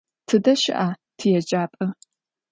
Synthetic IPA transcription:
tʰɨdɐʃɪ̰ʔaːtʰɨjɛd͡ʒaːpʼɐ

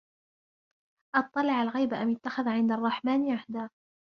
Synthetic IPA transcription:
ʔɑt̪ˤːɑlɪʕalɣajbaʔamjʊt̪ːaxaðʕɪnd̪arˤːɑħmaːnʕaħd̪aː

